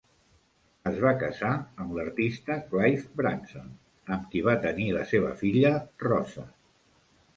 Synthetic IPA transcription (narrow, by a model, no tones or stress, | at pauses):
əzβakəzaəmləɾt̪ist̪əklajfbɾanson | əmkiβ̞at̪əniləseβə̰fiʎərɔzə